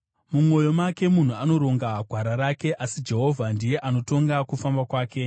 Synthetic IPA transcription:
mumo̞jo̞make̞mun̤uano̞ɾo̞ŋɡaɡʱaɾaɾake̞ʔasid͡ʒe̞ɦo̞vʱandije̞ʔano̞to̞ŋɡakufambakwaːke̞

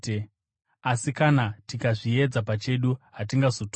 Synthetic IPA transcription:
asikanatikaʐie̞d͡zapat͡ʃe̞ɗuɦat̬iŋɡazot

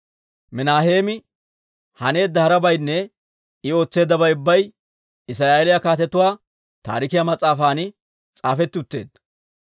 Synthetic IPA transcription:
mɪnaːhe̞ːmɪ | hɐne̞ːd̪ːɐhɐɾɐbɐjnːɛ | ɪo̞ːt͡sːe̞ːd̪ːɐbɐjʊbːɐj | ɪs̬ɾaːjelɪjakaːt̪ɛt̪ʊwaː | t̪a̰ːɾɪkɪjamɐt͡sʼːaːfaːnɪ | t͡sʼaːfɛt̪ːʊt̪ːe̞̰ːd̪

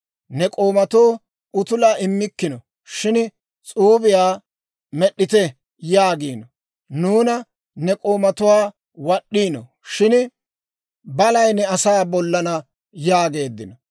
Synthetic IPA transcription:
nɛkʼo̞ːmɐt̪oː | ʊt̪ʊlaːɪmːɪkːɪnɔ | ʃɪn | t͡sʼuːbɪjaː | mɛɗːɪt̪ɛ | jaːɡiːnɔ | nuːnɐ | nɛkʼo̞ːmɐt̪ʊwaː | wɐɗːiːnɔ̰ | ʃɪn | bɐlɐjnɛɐsaːbɔlːɐnɐ | jaːɡe̞ːd̪ːɪnɔ

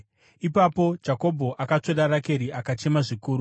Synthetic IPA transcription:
ipapo̞d͡ʒako̞bʱo̞ʔakat͡ʂeɗaɾake̞ɾiakat͡ʃe̞maʐikuːɾu

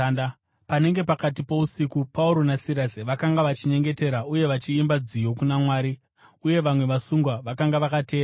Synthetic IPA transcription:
pane̞ŋɡe̞pakat̬ipo̞usikupauɾo̞nasiɾasiʋakaŋɡaʋat͡ʃiɲe̞ŋɡe̞te̞ɾauje̞ʋat͡ʃiimbad͡zijo̞kunamwaːɾi | uje̞ʋamwe̞ʋasuŋɡwaʋakaŋɡaʋakate̞ːɾa

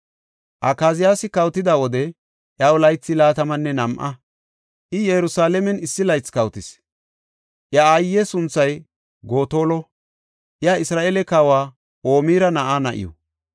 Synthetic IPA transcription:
ʔɐkaːzɪjaːsɪkɐwt̪ɪd̪aːwɔd̪ɛ | ʔjɐʊlɐjt͡sːɪlaːt̪ɐmɐnːɛnɐmʔɐ | ʔɪjɛjɾʊsaːlɛmɛnɪsːɪlɐjt͡skɐwt̪ɪs | ʔjɐajːɛsʊnt͡sːɐj | ɡo̞ːt̪o̞ːlɔ | ʔjaɪsɾaːʔeːlɛkaːwaː | ʔoːmiːɾɐnɐʔaːnɐʔɪ̰jɔ̰

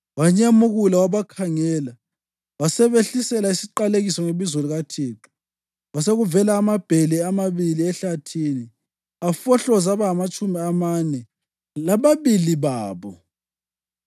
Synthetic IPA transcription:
waɲamuɣulawaβakʰaŋɛːla | wasɛβeɬisɛlaisiǃaleɣisɔŋeβizoluɣatʰiːǁu̥ | waseɣuvɛlaːmab̥ʱelɛamaβiliɛɬatʰiːni | afɔɬɔzaβaɦamat͡ʃʼumiamanɛ | laβaβiliβaːβɔ

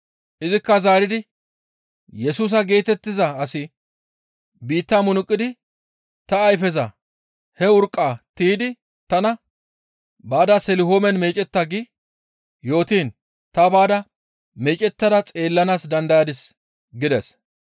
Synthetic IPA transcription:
ʔɪzɪkːɐzaːɾɪd̪ɪ | jɛsuːs̬ɐɡe̞ːt̪ɛt̪ːɪzɐːsɪ | biːt̪ːaːmʊnʊkʼːɪd̪ɪ | t̪ɐːjfɛzɐ | hɛʊɾkʼːaːt̪iːd̪ɪ | t̪ɐnɐ | baːd̪ɐsɛlɪɦoːmɛnmeːt͡ʃʼɛt̪ːaɡɪ | jo̞ːt̪iːn | t̪ɐbaːd̪ɐ | meːt͡ʃʼɛt̪ːɐd̪ɐt͡sʼeːlːɐnaːsd̪ɐnd̪ɐjaːd̪ɪs | ɡɪd̪ɛs

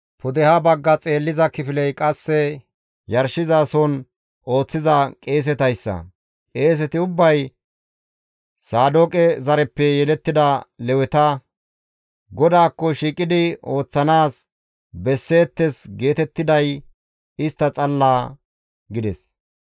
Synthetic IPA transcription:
pʊd̪ɛhɐbɐɡːɐt͡sʼe̞ːlːɪzɐkɪfɪlɛjkʼɐsːɛ | jɐɾʃɪzaːsɔn | ʔo̞ːt͡sːɪzɐkʼeːs̬ɛt̪ɐjsːɐ̰ | kʼe̞ːs̬ɛt̪ɪʊbːɐj | saːd̪oːkʼɛzɐɾɛpːɛjɛlɛt̪ːɪd̪ɐlɛwɛt̪ɐ | ɡɔd̪aːkːɔʃiːkʼɪd̪ɪo̞ːt͡sːɐnaːs | bɛsːe̞ːt̪ːɛsɡe̞ːt̪ɛt̪ːɪd̪ɐj | ɪst̪ːɐt͡sʼɐlːaː | ɡɪd̪ɛs

